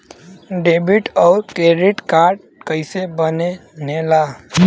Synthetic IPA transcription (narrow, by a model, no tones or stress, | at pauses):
ɖeːbɪʈɔːɾkeːɾɪʈkaːɾɖ | kəɪsebəneneːlaː